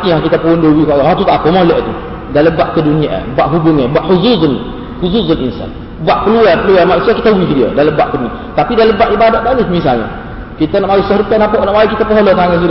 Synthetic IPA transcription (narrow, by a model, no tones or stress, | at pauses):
t̪ijãkit̪apəondowikaʔat̪ut̪aʔpəmolɛʔt̪u | daləmbaʔkəduniaʔbaʔɦubʊŋabaʔhuzuzən | huzuzənḭnsa̰n | baʔpəluarpəluarmaʔnusiakit̪awifidiə̰daləmbaʔkədunĩa̰ | t̪apidaləmbaʔibadat̪̚dadusmisaɲa̰ | kit̪anaʔmawisɔhɾəpɛnaʔpoʔnaʔmawiʔkit̪apəɦolot̪aŋəs̬iɾ